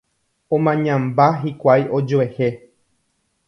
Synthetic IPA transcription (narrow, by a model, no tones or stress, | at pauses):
õmãɲãmbaɦikʷajʔo̞d͡ʒoehe